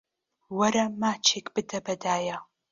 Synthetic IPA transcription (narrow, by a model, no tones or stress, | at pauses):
wɐɾɐmaːt͡ʃʰeːkʼb̥ɨdɐbɐdaːja